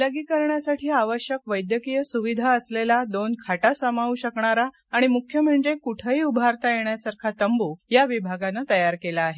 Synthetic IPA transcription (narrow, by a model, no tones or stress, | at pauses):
ləɡiːkəɾɳjasaʈʰiːaʋəɕjəkʋəjd̪jəkijəsuʋid̪ʱaəslelad̪onkʰaʈasəmaʋuːɕəkɳaɾaː | ɽ̃imukʰjəm̤əɳd͡zekuʈʰəiːubʱaɾt̪ajeɳjasaɾkʰat̪əmbujaʋibʱaɡanat̪əjaɾkelaːɦe